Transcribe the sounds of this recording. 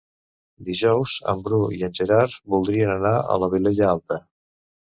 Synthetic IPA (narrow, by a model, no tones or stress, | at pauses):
d̪iʒɔwzə̰mbɾuiənʲʒeɾaɾβulˠd̪ɾiənənaə̰ləβileʎəalˠt̪ə